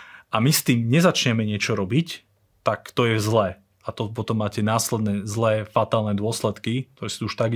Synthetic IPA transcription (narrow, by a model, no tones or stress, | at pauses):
ʔamist̪iːmɲɛzat͡ʃɲɛmɛɲɪɛt͡ʃɔɾɔbic | t̪akt̪ɔjɛzlɛ | at̪ɔpɔt̪ɔmːaːcɛnaːslɛd̪nɛzlɛːfat̪aːlnɛd̪ʊɔslɛt̪kik̚t̪ɔɾɛːsḁt̪uuʃt̪aɡ